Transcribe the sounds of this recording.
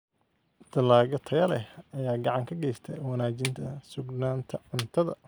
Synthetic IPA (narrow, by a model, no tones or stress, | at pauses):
d̪̥ɐlaːɣɐt̪ʰɐɣɐlɛhɐjaːɡɑʕɑŋkʰɐɡɛjst̪ʰɛjwɑnaːt͡ʃɪnt̪ʰɐsʊɡnaːnt̪ʰɐɪnt̪ʰɐðɐ